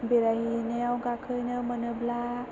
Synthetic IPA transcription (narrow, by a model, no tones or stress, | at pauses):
beɾaɦineawɡakʰɯjnɯmənɯbla